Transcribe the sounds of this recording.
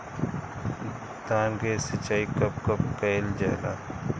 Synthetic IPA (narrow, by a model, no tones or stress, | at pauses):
d̪ãːŋɡesɐt͡ʃaːikɐp̚kɐpkeld͡ʒa̰ːla̰ː